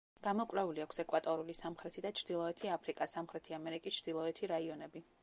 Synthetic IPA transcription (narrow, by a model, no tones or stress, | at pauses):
ɡ̥amɔkʼvɾɛuliakʷʰsɛkʼwat̪ʼɔɾulisamχɾɛt̪ʰid̪at͡ʃʰɾd̪̥ilˠɔɛt̪ʰiapʰɾikʼasamχɾɛt̪ʰiamɛɾikʼist͡ʃʰɾd̪ilˠɔɛt̪ʰiɾaiɔnɛbi